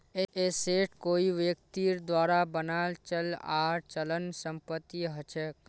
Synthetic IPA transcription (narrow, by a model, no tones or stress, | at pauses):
eeseːʈkoːiʋjək̚t̪iːɾd̪waːɾabənaːlt͡ʃəlaːɾt͡ʃələnsə̃mpət̪ːiɦət͡ʃʰɛk